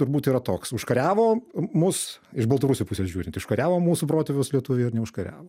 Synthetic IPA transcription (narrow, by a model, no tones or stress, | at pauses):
t̪ʊɾbuːt̪iːɾɐt̪oːksʊʃkɐɾʲæːʋoːmʊsɪʃbɐlˠt̪ɐɾʊsʲuːpʊsʲeːsʒʲuːɾʲɪnt̪ʲʊʃkɐɾʲæːʋoːmuːsupɾoːt̪ʲɛʋʲʊːslʲiɛt̪ʊʋʲeɪɾnʲɛʊʃkɐɾʲæ̰ːʋoː